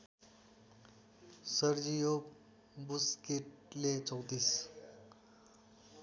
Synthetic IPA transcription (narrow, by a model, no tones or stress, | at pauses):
səɾd͡ʑijop | buskeʈ̚let͡səwt̪iːs